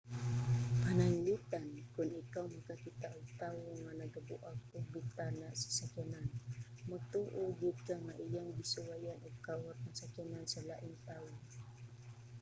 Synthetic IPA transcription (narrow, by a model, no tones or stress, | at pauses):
anaiŋlit̪ankʊnikawmakakit̪aʔət̪auŋanaɡəbuʔak̚ubit̪anaʔsə̥sakananmət̪uʔud͡ʒukaŋaʔijaŋbisuwajanɔkawat̪̚nasakinansəlaʔiŋt̪aʊŋ